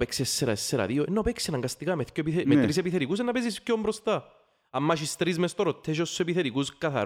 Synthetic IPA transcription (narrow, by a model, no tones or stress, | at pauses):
peksiesːeɾɐ̰esːeɾɐ̰ðioenːopeksiɐnɐŋɡɐst̪ikɐmeθcopiθemet̪ɾisepiθeɾikus̬enːɐpezispcombɾost̪ɐ | ɐmːɐʃ̬ist̪ɾizmest̪oɾot̪ʰːeʃ̬ossepiθeɾikuskɐθɐ̰